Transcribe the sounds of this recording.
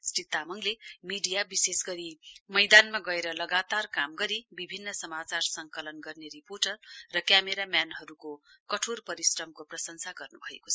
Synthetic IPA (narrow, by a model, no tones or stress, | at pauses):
sʈit̪ːamʌŋlemiɖijabisesɡʌɾimʌjd̪anmaɡʌeɾʌlʌɡat̪arkamɡʌɾibibʱinːʌsʌmat͡sarsʌŋkʌlʌnɡʌrneriporʈʌrːʌkjameɾamjanɦʌɾukokʌʈʰorpʌɾisrʌmkoprʌsʌŋsʰaɡʌrnubʱʌḛkot͡sʰ